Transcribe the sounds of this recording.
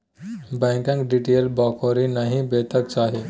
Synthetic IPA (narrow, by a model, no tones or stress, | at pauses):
bãkãŋkɖiʈelbɔkʰoɾinaɦĩbet̪ək̚t͡saɦe